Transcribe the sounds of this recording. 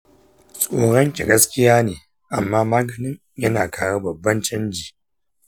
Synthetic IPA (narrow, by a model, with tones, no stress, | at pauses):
sʼoː˨ɽɐ˦ŋkʲi˨ɡɐ˦skʲɪ˦jaː˦neː˨ | ʔa˨mːaː˦maː˦ɡɐ˨nɪ˦ɲ | jɐ˦naː˨kʰaː˨wa˦bɐ˨bːɐ˦nt͡ʃɐ˦nd͡ʒiː˨